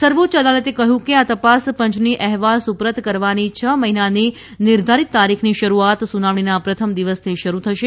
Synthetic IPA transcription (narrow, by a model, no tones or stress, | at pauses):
səɾʋot̪ʃəd̪alət̪ekəɦjũkeat̪əpaspə̃ɲt͡ʃniʔɛɦʋalsupɾət̪kəɾʋanit͡ʃʰəməɦinani | nɪɾd̪ʱaɾit̪ːaɾikʰniʃəɾuat̪sunaʋɳ̃inapɾət̪ʰəmd̪iʋəst̪ʰiʃəɾut̪ʰəʃe